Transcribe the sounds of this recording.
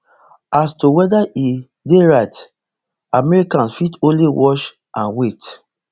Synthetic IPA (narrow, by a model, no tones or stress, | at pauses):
astowɛdai | deɹaɪt | amɛɹikãnsfitõnliwɔʃ | ʔãnwet